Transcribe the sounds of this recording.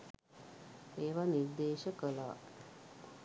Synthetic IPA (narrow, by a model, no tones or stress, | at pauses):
eːʋanird̪eːʃəkəlaa̰